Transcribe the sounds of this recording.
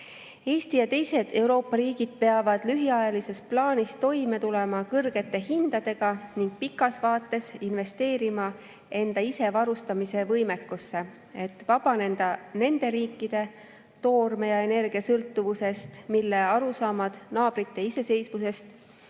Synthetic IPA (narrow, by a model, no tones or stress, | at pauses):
e̞ːst̪ijɑt̪e̞jse̞d̪̥e̞uɾo̞ːpːˑɑɾiːɡ̥id̪̥̚pe̞ɑvɑd̪̥lyɦiɑjɑlise̞splɑːnʲist̪o̞jme̞t̪ule̞mɑkɤrɡ̥e̞t̪ːˑe̞hind̪̥ɑd̪̥e̞ɡ̥ɑniŋɡ̥̚pikːˑɑsvɑːt̪ːˑe̞sinve̞st̪e̞ːɾimɑ | e̞nd̪̥ɑise̞vɑɾust̪ɑmise̞vɤjme̞kːˑusːe̞ | e̞t̪ːˑvɑb̥ɑnend̪ɑne̞nd̪e̞ɾiːkːˑid̪̥e̞ | t̪o̞ːrme̞jɑe̞ne̞rɡ̥iɑsɤlt̪ːuvuse̞st̪milːe̞ɑɾusɑːmɑd̪̥nɑːb̥ɾit̪ːe̞ise̞se̞jsmuse̞st̪